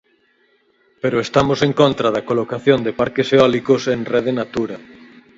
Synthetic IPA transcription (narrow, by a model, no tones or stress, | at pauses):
peɾoest̪amoseŋkõnt̪ɾaðɐkolokaθjond̪epaɾkeseɔlikosenreðenat̪uɾɐ